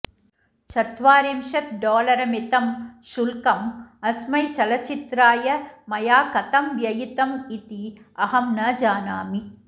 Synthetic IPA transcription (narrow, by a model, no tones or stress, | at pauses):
t͡ʃɐt̪ʋaːɾemʃɐt̪̚ɖoːlɐɾɐmit̪ɐmʃulkɐmɐsmɐjt͡ʃɐlɐt͡ʃit̪ɾaːjɐmɐjaːkɐt̪ɐmʋjɐjit̪ɐmit̪iɐɦɐmnɐd͡ʒaːnaːmi